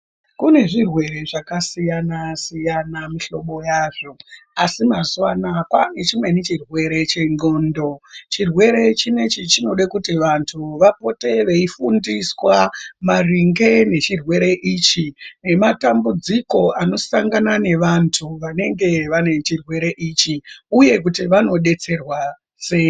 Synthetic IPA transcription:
kune̞ʐirwe̞ɾe̞ʐakasijanasijanamiɬo̞ɓo̞jaːʐo̞asimazuwanakwane̞t͡ʃimwe̞nit͡ʃirwe̞ɾe̞t͡ʃe̞no̞ːndo̞t͡ʃirwe̞ɾe̞t͡ʃine̞t͡ʃit͡ʃino̞ɗakutiʋantʰuʋapo̞te̞ʋe̞ifundiswamariŋɡe̞ne̞t͡ʃirwe̞ɾe̞ʔiːt͡ʃine̞matambud͡ziko̞ano̞saŋɡanane̞ʋantʰuʋane̞ŋɡe̞ʋane̞t͡ʃirwe̞ɾe̞ʔit͡ʃiuje̞kutiʋano̞ɗe̞t͡se̞rwa | se̞jo

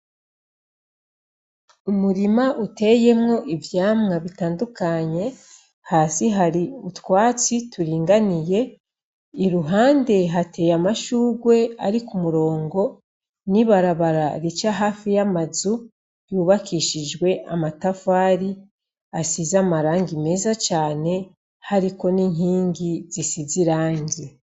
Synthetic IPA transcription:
umuɾimaʔute̞je̞mŋo̞ʔivjaːmŋaβitaːndukaɲe̞ | haːsiɦaɾiutwaːt͡situɾiːŋɡanije̞ | iɾuɦaːnde̞ɦate̞jamaʃuːɡwe̞aɾikumuɾo̞ːŋɡo̞ | niβaɾaβaɾaɾit͡ʃaɦaːfijamazu | juːβakiːʃid͡ʒɡwe̞ʔamatafaːɾi | asizamaɾaːŋɡime̞ːzat͡ʃaːne̞ | haɾiko̞niɲiːɲɡiz̥isiziɾaːɲɟe

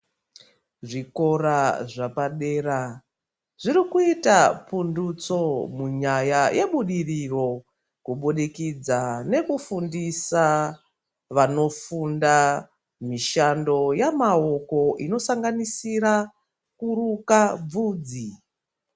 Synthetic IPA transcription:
ʐiko̞raʐapaɗe̞ːra | ʐiɾikuitapundut͡so̞muɲajaje̞ɓuɗiriro̞ | kuɓuɗikid͡zane̞kufundisa | ʋano̞funda | miʃando̞jamaoko̞ʔino̞saŋɡanisiɾa | kuɾukab͡vuːd͡zi

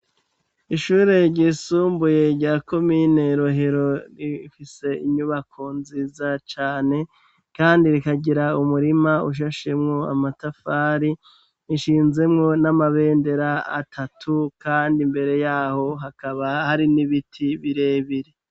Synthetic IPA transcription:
iʃuːɾe̞ɾɟisuːmbuje̞ɾɟaːko̞miːne̞iɾo̞ɦe̞ɾo̞ɾiifise̞iɲuβakʰonziːzat͡ʃaːne̞ | kaːndiɾikaɡɟiɾaumuɾimauʃ̬aʃe̞mŋo̞a̰matafaːɾi | iʃiːnze̞mŋo̞namaβe̞ːnde̞ɾa̰ːtʰatʰukaːndimbe̞ɾe̞jaːho̞ɦakaβahaɾiniβitʰiβiɾe̞ːβiɾe

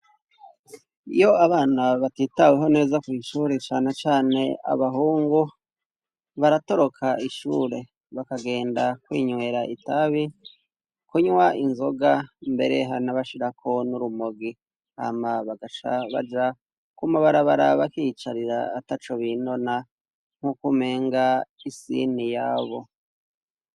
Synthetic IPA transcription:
ḭjo̞aβaːnaβatiːtaweɦo̞ne̞ːzakwiːʃuːɾe̞t͡ʃaːne̞t͡ʃaːne̞a̰βaɦuːŋɡu | βaɾato̞ɾo̞kʰaʔiʃṵːɾe̞ | βakaɡe̞ːndakwḭːɲwe̞ɾaʔitaβi | kuɲwaʔinzo̞ɡambe̞̰ɾe̞̰ɦanaβaʃiɾakʰo̞nuɾumoɡi | ha̰maβaɡat͡ʃa̰βa̰d͡ʒa | kumaβaɾaβaɾaβakiːt͡ʃaɾiɾa̰ːtat͡ʃoβino̞na | ŋ̥hukume̞ːŋɡaisḭnijaːβo̞

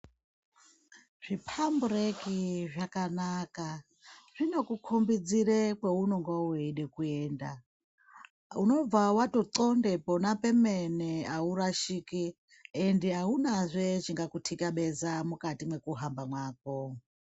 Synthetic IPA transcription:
ʐ̥ipʰamburekiʐakanaka | ʐ̥ino̞kukʰombid͡ziɾekweunoŋɡwauiɗekueːnda | uno̞b͡vawatoǀondeponapemeneauɾaʃiki | endiɦaunazʷet͡ʃiŋɡakutʰikaɓezamukatimwekuɦambamwaːk̚o

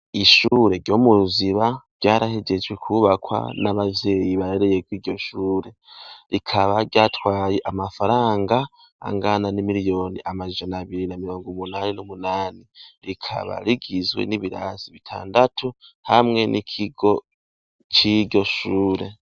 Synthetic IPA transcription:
iʃuːɾe̞ɾɟo̞ːmuziβavɟaːɾahe̞ɟe̞d͡ʒɡwe̞kʰuβakwa̰naβavje̞ːjiβaɾeɾe̞jekwiːɟo̞ʃuːɾe̞ɾikʰaβaɾɟaːtwaːjeʔamafaɾaːŋɡa̰ː | ŋɡananimiɾijo̞ːniʔamaʒanaaβiɾinamiɾo̞ːŋɡumunaːninumunaːniɾikʰa̰βa̰ɾiɡizwḛniβiɾa̰z̥iβitʰa̰ːndatʰuhamŋe̞nʔikʰiɡo̞ | t͡ʃiɾɟo̞ʃuːɾe̞

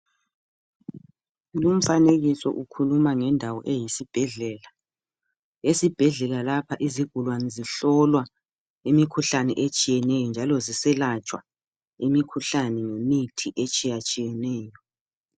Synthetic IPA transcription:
lum̩faneɣisɔ̰ʔukʰulumaŋɛndʱawɔʔejisib̥ʱɛɮɛla | esib̥ʱɛɮɛlalapʰaʔiziɡ̥ʱulwanɛziɬɔlwa | imikʰuɬanɛ̰ʔet͡ʃʼijɛnɛjɔnd͡ʒʱalɔzisɛlat͡ʃʼwa | imikʰuɬanɛŋemitʰiʔet͡ʃʼijat͡ʃʼijɛnɛːjɔ

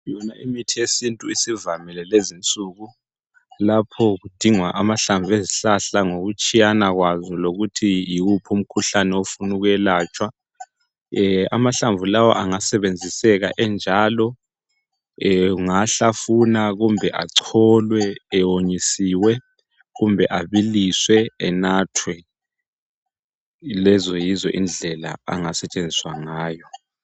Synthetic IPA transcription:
jɔnaimitʰijesintʼuisivamilɛlezint͡sʼuɣu | lapʰɔɣud̥ʱiŋwaʔamaɬaɱvʱeziɬaɬaŋoɣut͡ʃʼijanaɣwazɔloɣutʰijiupʰum̩kʰuɬanɛofunuɣwɛlaːt͡ʃʼwa | a̰maɬaɱvulawɔ̰ʔaŋasɛβend͡zʱisɛɣaʔɛnd͡ʒʱaːlɔ | ŋaɬafunaɣumbʱɛʔa̰ǀʰɔlwɛːwoɲisiːwɛ | ɣumbʱɛʔaβiliswɛɛnaːtʰwɛ | lɛzɔjizɔ̰ʔind͡ɮʱɛla̰a̰ŋasɛt͡ʃʼend͡zʱiswaŋaːjɔ

